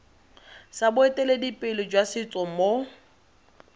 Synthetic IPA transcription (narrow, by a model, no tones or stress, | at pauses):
sabʊetʼeledipʼɪlɪd͡ʒwasɪt͡sʼɔmo